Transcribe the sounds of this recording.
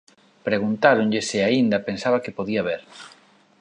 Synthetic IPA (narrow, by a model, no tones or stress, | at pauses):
pɾeɣunt̪aɾoɲʎɪsɪaind̪ɐpensaβɐkepoðiɐβeɾ